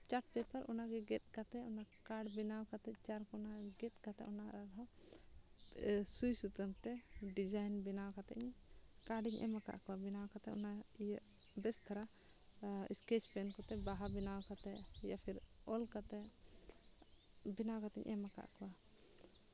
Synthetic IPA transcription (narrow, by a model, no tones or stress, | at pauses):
t͡ʃaʈ̚pɛpaɾʔɔnaɡɛɡɛt̪̚ˀkat̪ɛɔnakaɖbinawkat̪ɛt͡ʃaɾkɔnaɡɛt̪̚kat̪ɛʔɔnaɾad̪ɔ | sujsut̪əmt̪ɛɖid͡ʒajnbinawkat̪ɛ̰ʔɲkaɾɖiɲʔɛ̰maka̰ʔkɔwabinawkat̪ɛɔ̰na | bɛst̪ʰaɾa | ḭskɛt͡ʃpɛnkɔt̪ɛbaɦabinawkat̪ɛjapʰiɾ | ɔlkat̪ɛ | binawkat̪ɛ̰ɲʔɛ̰maka̰ʔkɔwa